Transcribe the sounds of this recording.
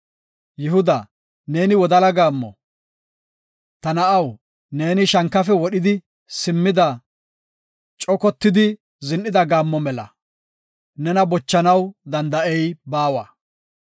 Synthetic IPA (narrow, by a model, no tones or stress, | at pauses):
jɪhʊd̪ɐ | ne̞ːnɪwɔd̪ɐlɐɡaːmːɔ̰ | t̪ɐnɐʔɐw | ne̞ːnɪʃɐŋkːɐfɛwɔɗɪd̪ɪ | sɪmːɪd̪ɐ | t͡ʃʼɔkɔt̪ːɪd̪ɪ | zɪnːɪd̪ɐɡaːmːɔmɛlɐ̰ | nɛnɐbɔt͡ʃːɐnɐwd̪ɐnd̪ɐʔɛjbaːwa̰ː